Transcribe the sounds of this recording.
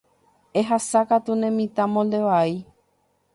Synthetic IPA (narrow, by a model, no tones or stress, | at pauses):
e̞ɦasakat̪unẽmĩt̪ãmõnd̪e̞ʋai